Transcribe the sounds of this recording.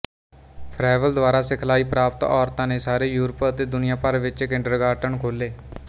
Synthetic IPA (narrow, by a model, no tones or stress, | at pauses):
pʰɾaːʋəld̪ʋaːɾaːsɪkʰlaːiːpɾaːpt̪ɔːɾt̪ãːneːsaːɾeːjuːɾəpət̪eːd̪ʊnɪjãːpəɾʋɪt͡ʃɪkɪ̃ɳɖəɾɡaːʈəɳkʰoːleː